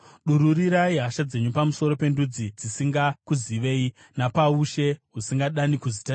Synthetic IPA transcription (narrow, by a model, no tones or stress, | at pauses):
ɗuɾuɾiɾaiɦaʃad͡ze̞ɲupamuso̞ɾo̞pe̞ndud͡zid͡zisiŋɡakuziʋe̞ːi | napauʃe̞ɦusiŋɡaɗanikuzita